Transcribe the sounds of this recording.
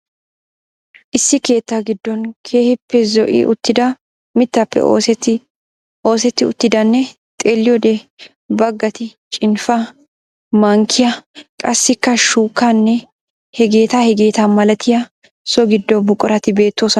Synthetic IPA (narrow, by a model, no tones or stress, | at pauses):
ʔɪsːɪke̞ːt̪ːɐɡɪd̪ːɔnkʰeːhɪpːɛzɔʔɪ̰ʊt̪ːɪd̪ɐ | mɪt̪ːɐpːɛ̰o̰ːsɛt̪ | ʔo̞ːsɛt̪ːɪʊt̪ːɪd̪ɐnːɛ | t̪ʼeːlːɪjɔd̪ɛ | bɐɡːɐt̪ɪt͡ʃʼɪnfɐ | mɐŋkʰɪjɐkʼɐsːɪkːɐʃuːkːanːɛ | hɛɡe̞ːt̪ahɛɡe̞ːt̪ɐmɐlɐt̪ʰɪjɐ | sɔɡɪd̪ːɔbʊkʼːʊɾɐt̪ɪbe̞ːt̪ːo̞ːsɐ